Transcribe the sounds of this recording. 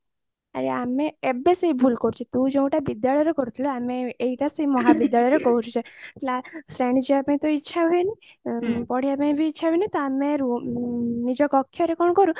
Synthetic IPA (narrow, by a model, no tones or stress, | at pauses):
a̰ɾeameebeseibʱulkɔɾut͡ʃʰit̪ũd͡ʒɔũʈabid̪jaɭjɔɾɔkɔɾut̪ʰiluameeiʈaseimɔɦabid̪jaɭɔjɾekɔuɾut͡ʃʰeʈlasɾaɳ̃id͡ʒiapẽt̪ɔitːʃʰaɦɔjni | pɔɽ̤iapẽbʱiːtːʃʰaɦineit̪ɔameɾu | nid͡ʒɔkɔkʰːjɔɾekɔɳkɔɾũ